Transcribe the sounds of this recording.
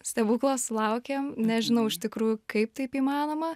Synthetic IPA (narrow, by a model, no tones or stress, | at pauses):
sʲt̪ʲɛʋuːklˠoslˠɐʊkʲeːmnʲɛʒʲɪnɐʊɪʃt̪ʲɪkɾuːjʊkɐɪp̚t̪ɐɪpiːmɑːnoːmɐ